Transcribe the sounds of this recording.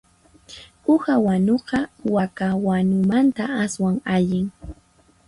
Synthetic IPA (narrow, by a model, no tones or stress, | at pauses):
ʊhawanoɢɑwakawanʊmant̪aaswaŋaʎɪŋ